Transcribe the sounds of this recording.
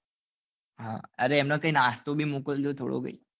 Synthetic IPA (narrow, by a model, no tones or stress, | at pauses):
ɦã̰əɾeemnakaɦinast̪obʱiːmukət̪lot̪ʰo̰ɽo̰ɡə̰ḭ